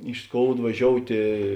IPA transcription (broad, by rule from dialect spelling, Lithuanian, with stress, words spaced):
ɪʃ ˈskoːʊt ʋɐˈʒʲoːʊtʲeː